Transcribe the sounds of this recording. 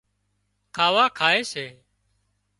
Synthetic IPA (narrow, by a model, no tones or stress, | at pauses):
kʰaːʋaːkʰaːeːseː